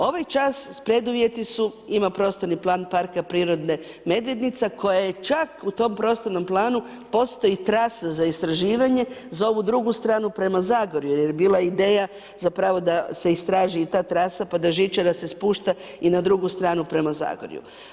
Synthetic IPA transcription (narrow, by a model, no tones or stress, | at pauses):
o̞ʋajt͡ʃaspɾe̞d̪uʋje̞t̪isuimapɾo̞st̪oɾniplˠaːnpaɾkapɾiːɾo̞d̪ne̞ | me̞d̪ʋjed̪nit̪sekʰo̞jajet͡ʃakut̪o̞mpɾo̞st̪oɾno̞mplˠaːnu | po̞st̪o̞jit̪ɾasazaist̪ɾaʒiːʋaɲe̞zao̞ʋud̪ɾuɡust̪ɾaːnupɾe̞mazaːɡoɾjujeɾjbiːlˠaid̪eːja | zapɾaʋo̞d̪ase̞ist̪ɾaːʒiit̪aːt̪ɾasapad̪aʒit͡ʃad̪ase̞spuːʃt̪a | inad̪ɾuɡust̪ɾaːnupɾe̞maza̰ɡo̰ɾjṵ